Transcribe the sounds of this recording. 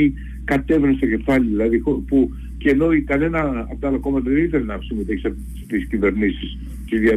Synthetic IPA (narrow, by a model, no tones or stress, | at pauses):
i | kɐt̪e̞vɾenst̪okce̞faliðilɐðixopu | cenoikɐne̞nɐ̰ːpt̪alɐko̞mɐt̪ɐɾit̪eɾenapsimit̪ekisɐ | t̪iscive̞ɾnisis | t̪izðiɐ